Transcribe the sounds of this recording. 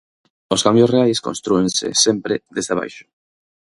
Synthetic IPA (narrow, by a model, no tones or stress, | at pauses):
oskambjosreajsko̰nst̪ɾuẽnsḛsẽmpɾeðezðeβa̰jʃo̥